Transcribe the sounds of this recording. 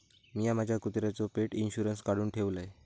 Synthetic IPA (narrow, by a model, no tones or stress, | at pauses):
miːjamad͡ʑʱjakut̪ɾjat͡sɔpeʈinɕuɾənskaɽuːnʈʰeʋlaj